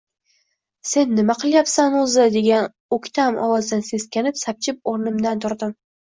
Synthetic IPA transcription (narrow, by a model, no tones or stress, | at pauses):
se̞nːɪmaqɨlˠjapsanʊzɪd̪e̞ɡʲan | okʲt̪ʰamɒ̰wɒzd̪anse̞skʲanɪpsap̚t͡ʃʰɪp̚oɾnɪmd̪ant̪ʰʊɾd̪ɪm